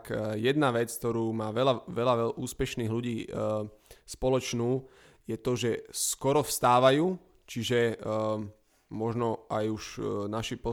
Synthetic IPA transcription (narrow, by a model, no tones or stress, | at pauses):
kjɛd̪naʋɛt͡sk̚t̪ɔɾuːmaːʋɛlaʋɛlaʋɛʔuːspɛʃniːɦluɟiː | spɔlɔt͡ʃnuː | jɛt̪ɔʒɛskɔɾɔfst̪aːʋajuː | t͡ʃiʒɛ | mɔʒnɔajuʃnaʃipɔ